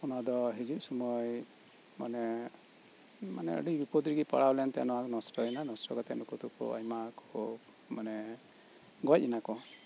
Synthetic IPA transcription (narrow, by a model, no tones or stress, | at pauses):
ɔnad̪ɔɦid͡ʒuʔsɔmɔj | manɛ | ma̰nɛ̰ɔ̰ɖikbipɔd̪ɾiɡipa̰ɽawlɛnt̪ɛja̰nɔwakɔnɔsʈɔɛnanɔsɾɔɡɔt̪ɛa̰nukɔt̪ukɔ̰a̰jmakɔ | manɛ | ɡɔt̚inakɔ